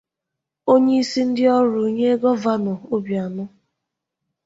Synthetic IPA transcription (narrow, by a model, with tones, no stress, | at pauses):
o˦ɲe˦i˦si˦n̩˦dɪ˦ɔ˦ɾʊ˨ɲe˦ɡɔ˦va˦nɔ˨o˦bja˨nʊ˦